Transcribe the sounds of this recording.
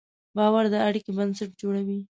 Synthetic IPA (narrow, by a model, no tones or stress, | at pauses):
bɑwaɾd̪əaɽikebənsaʈ̚d͡ʒoɽawi